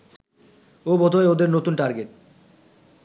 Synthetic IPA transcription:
obod̪ʱoeod̪eɾnot̪unʈaɾɡeʈ̚

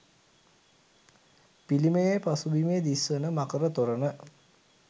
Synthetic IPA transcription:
piliməjepasubimeːd̪isʋənəmakəɾət̪oɾənə

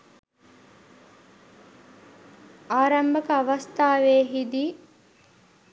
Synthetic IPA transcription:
aːɾɐmbɐkəɐʋɐst̪aːʋeːɦid̪i

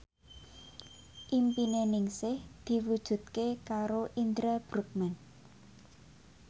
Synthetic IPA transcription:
ʔimpinenɪŋsɪhd̪̥i̤wud̥ʒ̥ṳt̪̚kekaɾoʔind̪ɾəb̥ɾṳk̚mɛn

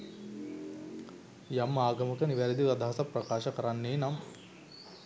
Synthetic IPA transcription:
jamːaːɡɐmɐkɐniʋaɾid̪iʋɐd̪ʱaɦɐsɐpɾɐkaːʃɐkɐɾanːeːnam

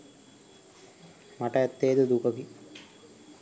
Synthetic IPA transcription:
maʈɐɛt̪ːejːd̪əd̪ukəki

